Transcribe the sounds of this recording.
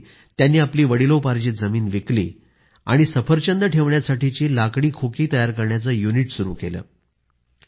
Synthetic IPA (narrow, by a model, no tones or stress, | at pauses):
t̪janːiːapliːʋəɽilopaɾd͡ʑiːd͡zəmiːnʋeklḭː | a̰ɽ̃isəfəɾt͡ɕənd̪əʈʰeʋɳjasaʈit͡ɕiːlakɽiːkʰokiːt̪əjaɾkəɾɳjat͡səjuniʈsuɾṵːkelə̰ː